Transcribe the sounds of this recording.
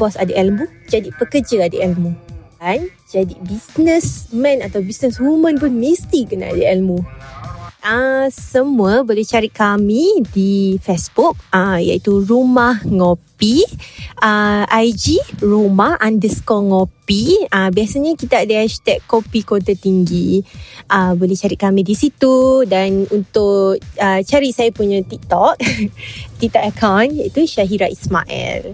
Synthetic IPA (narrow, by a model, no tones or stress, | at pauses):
b̥ɔsadəʔɛlmu | d͡ʒadipəkəd͡ʒəadəɛlmukan | d͡ʒadibisnəsmɛ̃nat̪awbisnəswumə̃npʊnmist̪ikənaa̰dəɛlmu | ʔəsəmuəbolɛht͡ʃaɾitkamidifɛsbuk̚əja̰it̪uɾumahŋopi | əʔajd͡ʒiɹumaʔãndəskɔŋopiəbiasaɲãkit̪aadəast̪ɛʔkːopikot̪at̪iŋɡiʔəbolɛt͡ʃaɾit̪̚kamĩdisit̪udanunt̪ʊʔət͡ʃaɾiʔsajapuɲãt̪ik̚t̪ɔk̚ | t̪ik̚t̪ɔʔ̚əkʰawnjaʔit̪uʃaɦiɾaʔisma̰ʔɛ̰l